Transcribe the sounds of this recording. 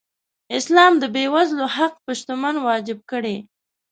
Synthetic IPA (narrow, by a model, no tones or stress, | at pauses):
ɪslɑmd̪əbewazlohaq̚pəʃt̪ʊmanwɑd͡ʒɪb̚kəɽe